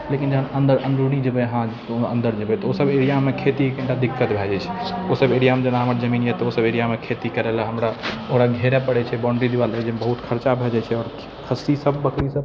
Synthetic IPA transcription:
lekind͡ʒəɦənənd̪əɾʔə̃nd̪ɾuɽid͡ʒəbɛɦã | ə̰̃nd̪əɾd͡ʒəbɛt̪ɔosəbeɾijamekʰet̪iekɡiɳʈad̪ikːət̪bʱɛd͡ʒɛt͡ʃʰɛ̥osəbeɾijamed͡ʒənaɦəmɾad͡ʒəminjɛt̪ɔosəbeɾijamekʰet̪ikəɾɛlaɦəmɾaoɦɽaɡʱeɾɛpəɽɛt͡ʃʰɛbɔ̃ɳɖɾid̪iʋalɛd͡ʒembəɦut̪kʰəɾt͡ʃabʱɛd͡ʒɛt͡ʃʰɛɔːɾ | kʰəsisəb̚ːəkʰɾisəb

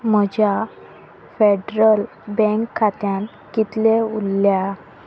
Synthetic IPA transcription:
m̤əd͡ʑja | feɖɾəl | bɛ̃ŋkʰːat̪jãn | kit̪leulːja

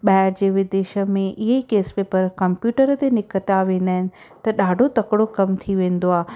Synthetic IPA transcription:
ɓaːɦɪɾd͡ʑeːʋɪd̪eːʃə̆mẽʔɪɦeikeːspeːpəɾkɐmpjuːʈəɾət̪enɪkət̪aʋẽːn̆d̪aːɦɪnɪ̆ | t̪ɐɗaːɖʱot̪ɐkɪɽokɐmt̪ʰiʋẽːn̆d̪oaːe

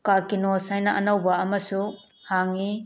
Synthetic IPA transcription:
kaɾkinosajnɐʔɐnɐwbɐɐmɐsu | haŋːi

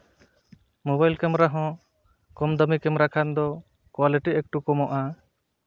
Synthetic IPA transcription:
mobajlkɛmɾaɦɔ̃ | kɔmd̪ɔmikɛmɾakʰand̪ɔ | kwaliʈiɛk̚ʈukɔmɔʔa

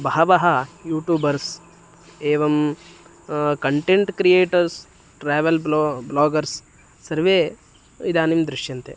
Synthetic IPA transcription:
bɐɦɐʋɐɦɐjuːʈjuːbɐɾs | eːʋɐm | kɐɳʈẽɳʈkɾijeːʈɐɾs | ʈɾɛːʋɐlblɔːɡɐɾsː | ɐɾʋeː | id̪aːnimd̪ɾɪʃjɐnt̪ḛ

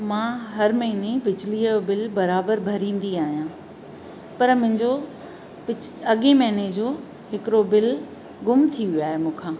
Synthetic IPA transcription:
mãːɦɐɾmɐɦɪnebɪd͡ʑliəbɪlbɐɾaːbəɾbʱɐɾĩːn̆d̪iaːɦijãː | pɐɾmʊ̃ɦɪ̃ɲd͡ʑo | ɪɐɠemɐɦɪned͡ʑoː | ɦɪkɾobɪl | ɡʊmt̪ʰiʋjoaːɦemũːkʰãː

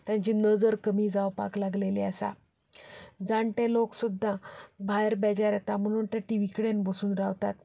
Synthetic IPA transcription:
t̪jãɲt͡ɕiːnəd͡zəɾkəmiːd͡zawpa̰klaɡleleasa̰ | d͡zãɳʈeloksud̪ʱːabʱajəɾbɛd͡ʑaɾjat̪am̤əɽ̃uːnt̪jaʈiʋikɽenbəsuːnɾaʋt̪at̪̚

